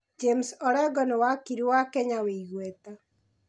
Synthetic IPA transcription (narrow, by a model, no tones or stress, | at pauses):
d͡ʒemsɔɾɛɡɔnewakiɾiwaːkɛɲaweiɣwɛta